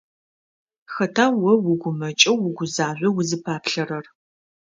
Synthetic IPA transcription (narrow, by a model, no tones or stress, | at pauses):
xɐtʰaːwɐwʊɡʷʊmɐt͡ʃʼɐwwʊɡʷʊzaːʑʷɐwʊzɨpʰaːpʰɬɐrɐr